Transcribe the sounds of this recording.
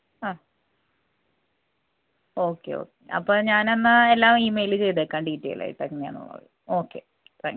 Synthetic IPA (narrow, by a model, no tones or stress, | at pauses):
aː | o̞ːkːḛo̰ːkːeʔɐ̰pːoːɭɲaːnenːɨelːaːmiːmejilɨt͡ɕe̞jt̪ekːaːɳɖiːtːḛːjla̰ːjḭʈːeŋːɐneja̰ːnːṵɭːɐ̰ðɨ | o̞ːkːe̞ | t̪ʰa̰ːŋk